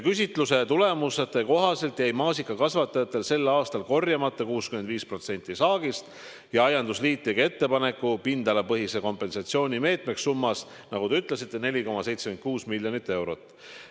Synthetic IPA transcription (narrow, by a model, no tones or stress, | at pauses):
kys̬ʲit̪ˑluse̞t̪ule̞muset̪ːˑe̞ko̞ɦɑse̞lt̪jæjmɑːsikːˑɑkɑsvɑt̪ːˑɑjɑt̪ːˑe̞lse̞lːɑːst̪ɑlko̞rjɑmɑt̪ːˑɑkuːskyme̞nd̪viːspro̞t̪senʲt̪ːˑisɑːɡ̥ist̪ | jɑɑjɑnd̪usliːt̪ːeɡɑe̞t̪ːe̞pɑne̞kːˑupind̪̥ɑlepɤɦise̞ko̞mpːˑe̞nsɑt̪sio̞ːnʲime̞ːt̪ˑmeksːumːɑs | nɑɡud̪e̞yt̪ˑle̞sit̪ːe̞ne̞lʲiko̞mɑse̞jt̪sekyn̚kuːsmilʲjo̞nit̪ːˑe̞wɾo̞t̪ːˑ